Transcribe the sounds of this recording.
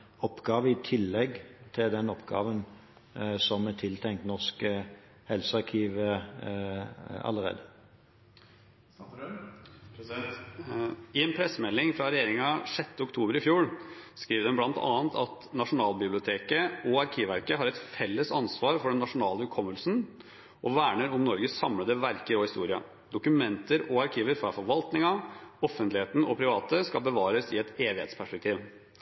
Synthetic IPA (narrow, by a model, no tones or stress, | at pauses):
ɔpːɡɑːʋəɪt̪ʰɪlːɛɡt̪ʰɪld̪ɛnɔpɡ̥ɑ̰ːʋən | sɔmɛt̪ʰɪlt̪ʰɛŋkt̪nɔʁsk | hɛlsəɑʁkʰiːʋə | ɑ̰lːəʁḛːd̪ə | ɪɛːnpʰɾɛsːəmɛlːɪŋfɾɑɾɛjeːɾɪŋɑʂɛt̪ːəʊkt̪ʰuːbəɾɪfjuːɾskɾiːʋəd̪ɛnblɑnt̪ʰɑ̰ːnt̪ʰɑt̪ | nɑʂʊnɑːlbɪblɪʊt̪ʰeːkəɔɑɾkʰiːʋʋæɾkəɦɑɾɛt̪fɛlːəsɑnsʋɑːɾfɔɖɛnːɑʂʊnɑːləhʉkʰɔmːəlsn | ʔɔʋæːɳəɾʊmnɔɾɡəsɑmləd̪əʋæɾkəɾɔhɪst̪uːɾɪɑ̰ | d̪ʊkʉmɛnt̪əɾɔɑɾkʰiːʋəɾfɾɑfɔɾʋɑlt̪nɪŋɑɔfːənt̪lɪheːt̪n̩ɔpʰɾɪʋɑːt̪əskɑlbəʋɑːɾəsɪɛt̪eːʋɪhḛːt̪spʰæʂpɛk̚t̪ʰiːʋ